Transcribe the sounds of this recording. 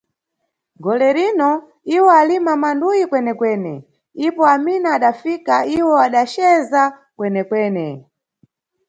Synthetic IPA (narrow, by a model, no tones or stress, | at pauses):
ɡɔlɛɾinɔ | iwɔalimamandujikwɛnɛkwɛːnɛ̰ | ipɔaminaːɗafikaiwɔaɗat͡ʃɛza | kwɛnɛkwɛːnɛ